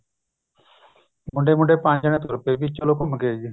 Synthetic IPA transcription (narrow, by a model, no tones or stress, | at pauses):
mʊɳɖeːmʊ̃ɳɖeːpãːnd͡ʒaɽnẽːt̪oːɾəpeːbiːt͡ʃoloːkoməkeːɡ